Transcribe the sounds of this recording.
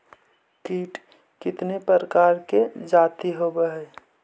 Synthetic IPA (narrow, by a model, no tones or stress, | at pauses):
kiːʈ | kɪt̪nepɾəɾəkaːɾked͡ʒaːt̪iɦobəɦɛ